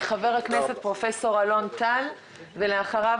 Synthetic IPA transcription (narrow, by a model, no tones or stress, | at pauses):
χave̞ʁhaknese̞t̪̚pʁo̞fe̞so̞ʁalo̞nt̪al | veleaχaʁav